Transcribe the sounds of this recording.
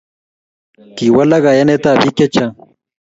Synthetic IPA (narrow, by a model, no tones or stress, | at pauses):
kiwɐlɐɣajɐnet̪abiket͡ɕʰa